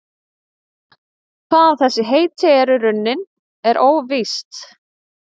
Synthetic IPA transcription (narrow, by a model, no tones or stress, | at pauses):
kʰvaːðawθɛsːɪɦeːjt̪ʰɛɛɾʏɾʏnːɪn | ɛɾʔoːwvist̪